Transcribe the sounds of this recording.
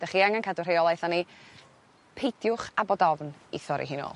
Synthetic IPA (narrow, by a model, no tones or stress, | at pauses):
d̥aχiːaŋankʰadʊr̥eɔlˠajθani | pʰejd̥jʊχabɔdɔvnḭθɔɾḭɦɨno̰ːlˠ